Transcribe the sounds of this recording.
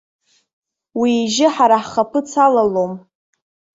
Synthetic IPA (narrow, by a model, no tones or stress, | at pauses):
wiːʒɪħaɾaħχapʰɨt͡sʰalalom